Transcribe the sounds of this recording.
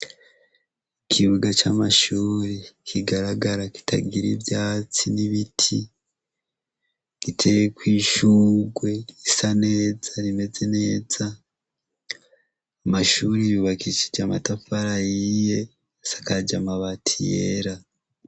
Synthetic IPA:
kʰiβuɡat͡ʃaːmaʃuːɾekʰiɡaɾaɡaɾaki̥tʰa̰ɡiɾḭvjaːt͡siniβitʰi | ɡ̥itʰe̞jekwiːʃuːɡwe̞isane̞ːzaɾime̞ze̞ne̞ːz̥a | maʃuːɾijuβakit͡ʃi̥d͡ʒamatafaɾajije̞ | sḁkad͡ʒamaβatʰijeeɾa

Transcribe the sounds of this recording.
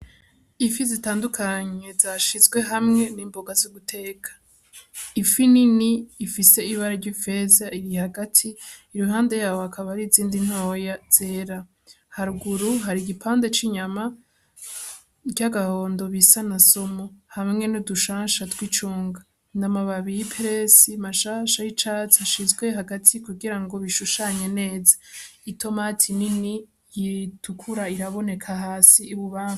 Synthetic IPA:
ifizitaːndukʰaɲe̞zaʃizɡwe̞ɦamŋe̞niːmboɡazuβutʰe̞ːkʰḁ | ifininiːfise̞iβaɾaɾɟife̞zaiɾihaɡatʰiːɾuɦaːnde̞jaːwohakʰaβaɾiziːndin̥ho̞ːjaz̥e̞ːɾa | haɾuɡuɾuɦaɾiɡipʰaːnde̞t͡ʃiɲama | ɟaɡaho̞ːndo̞βisanasomohammŋe̞nuduʃaːnʃatwit͡ʃuːŋɡa | ndamaβaβijipʰeɾe̞simaʃaʃajit͡ʃat͡saʃizɡwe̞ɦaɡatʰikuɡiɾaŋɡo̞βiʃuʃaɲe̞ne̞ːzaitʰo̞matʰinini | jitʰukʰuɾaiɾaβo̞ne̞kʰaɦaːsiːβuβaːŋu

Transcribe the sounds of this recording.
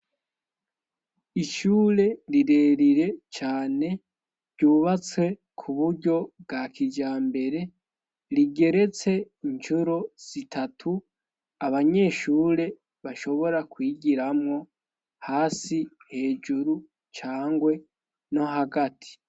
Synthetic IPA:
iʃuːɾe̞ɾiɾe̞ːɾiɾe̞t͡ʃaːne̞ | ɾɟuːβat͡swe̞ | kʰuβuɾɟo̞bɡakʰid͡ʒaːmbe̞ɾe̞ | ɾiɡe̞ɾe̞t͡se̞ | iɲt͡ʃuɾo̞z̥itʰatʰu | aβaɲe̞ːʃuːɾe̞ | βaʃo̞βo̞ɾakwiːɡiɾamŋo̞ | haːsihe̞ːd͡ʒuɾu | t͡ʃaːŋɡwe̞ | no̞ɦaɡatʰi̥

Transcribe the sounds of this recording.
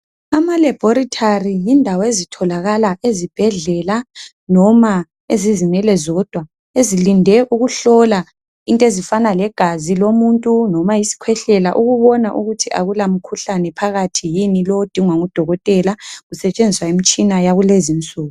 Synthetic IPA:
amalɛb̥ʱɔɾitʰarijindʱawɔezitʰɔlaɣalaʔezib̥ʱɛɮɛla | nɔma | ezizinɛlɛzɔd̥ʱwa | ezilindʱɛʔuɣuɬɔla | intʼezifanalɛɡ̥ʱazilomuntʼunɔmajisi̥kʰwɛɬɛlaʔuɣuβɔnaʔuɣutʰiʔa̰ɣulam̩kʰuɬanɛpʰaɣatʰijinilɔwod̥ʱiŋwaŋud̥ʱɔɣɔtʼɛlaɣusɛt͡ʃʼend͡zʱiswaimit͡ʃʼinajaɣulezint͡sʼuːɣu

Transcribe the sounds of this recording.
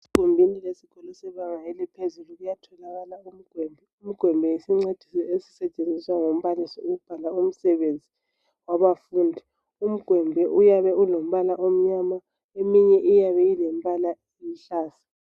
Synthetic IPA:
si̥kumbʱinilesikɔlɔsɛβaŋajɛlɛpʰezuluɣujatʰɔlaɣalaum̩ɡ̥ʱwɛmbʱɛum̩ɡ̥ʱwɛmbʱɛjisiŋ͡ǀed̥ʱisɛesi̥sɛt͡ʃʼend͡zʱiswaŋom̩βalisɔuɣub̥ʱalaum̩sɛβend͡zʱi | waβafundʱi | um̩ɡ̥ʱwɛmbʱɛʔujaβɛulom̩βalaʔom̩ɲama | emiɲɛʔijaβɛjilɛm̩bʱʼalaejiɬaːsḁ

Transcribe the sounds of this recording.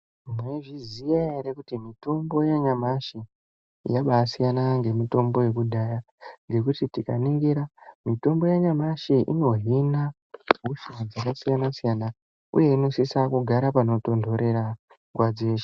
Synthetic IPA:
mweʐizijaeɾekutimito̞mbo̞jaɲamaʃḭ | jaɓasijanaŋɡe̞mito̞mbo̞je̞k̬udʱaja | ŋɡe̞kutitika̰niŋɡiɾamito̞mbo̞jaɲamaʃiʔḭno̞ɦina | ɦuʃuad͡zakasijanasijana | ṵje̞ino̞sisakuɡʱaɾapano̞to̞ndʱo̞ɾe̞ɾa | ŋɡwad͡zeːʃe̥

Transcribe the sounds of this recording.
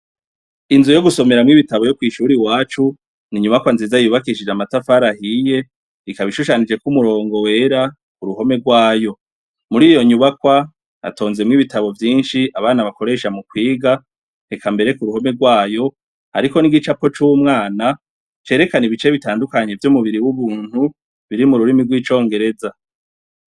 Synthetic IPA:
inzujo̞ɡuso̞me̞ɾamŋiβitaβo̞jo̞kwiːʃuɾiwaːt͡ʃu | niɲuβakwanziːzajuβakiʃid͡ʒamatafaɾahije̞ | ikaβiʃuʃanid͡ʒe̞kumuɾo̞ːŋɡo̞we̞ɾa | kuɾuɦo̞me̞ɡwaːjo̞ | muɾiːjo̞ɲuβakwa | a̰to̞ːnze̞mŋiβitaβo̞vjiːnʃiaβaːnaβako̞ɾe̞ʃamukwiːɡa | nekambe̞ɾe̞kuɾuho̞me̞ɡwaːjo̞ | a̰ɾiko̞niɡit͡ʃapo̞t͡ʃuːmŋaːna | t͡ʃe̞ːɾe̞kaniβit͡ʃe̞βitaːndukaɲe̞vjomuβiɾiwuβuːn̥hu | βiɾimuɾuɾimiɡwiːt͡ʃo̞ːŋɡe̞ɾe̞za

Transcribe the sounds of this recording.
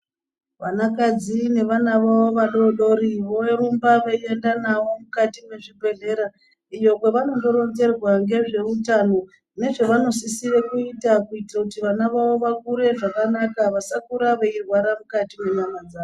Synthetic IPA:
ʋanakad͡zine̞ʋanaʋawo̞ʋaɗo̞ɗo̞ɾiʋo̞eɾumbaʋaie̞ndanaʋo̞mukatimwe̞ʐibʱe̞ɮe̞ɾa | ijo̞kwe̞ʋano̞ŋɡo̞ɾo̞ɲɡe̞rwaŋɡe̞ʐe̞utano̞ | ne̞ʐe̞ʋano̞sisire̞kuitakuitirakutiʋanaʋawo̞ʋakuɾe̞ʐakanakaʋasakuɾaʋeirwaɾamukatimweɲamad͡zaːo

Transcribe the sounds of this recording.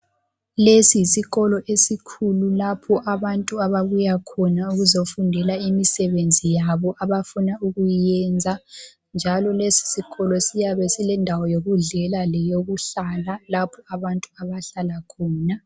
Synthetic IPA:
lesiisiɣɔlɔʔesikʰululapʰɔʔaβantʼuaβaβujakʰɔnauɣuzofundʱɛlaimisɛβend͡zʱijaβɔʔaβafunauɣujɛnd͡zʱa | nd͡ʒʱalɔlesi̥siɣɔlɔsijaβɛsilɛndʱawɔjoɣuɮɛlalɛjoɣuɬalalapʰɔaβantʼuaβaɬalakʰɔːna

